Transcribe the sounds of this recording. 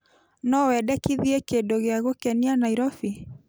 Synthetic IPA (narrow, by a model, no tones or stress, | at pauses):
nɔwɛdɛkiðiɛkendoɣeaɣokɛnianaiɾɔfi